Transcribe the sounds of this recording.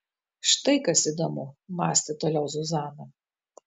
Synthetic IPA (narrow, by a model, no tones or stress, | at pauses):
ʃt̪ɐɪkɐsid̪oːmʊmɑːsʲt̪ʲɪt̪oːlʲɛʊzʊzɑːnɐ